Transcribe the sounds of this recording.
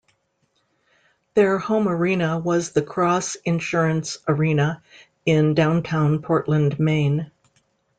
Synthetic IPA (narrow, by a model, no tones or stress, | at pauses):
ðə˞hõʊ̃mə˞ĩnəwʌzðɨkʰɹ̥ɔsɨ̃nʃʊɹɨ̃nsə˞ĩnə | ɪ̃ndãʊ̃ntʰãʊ̃npʰɔɹʔlə̃nmẽɪ̃n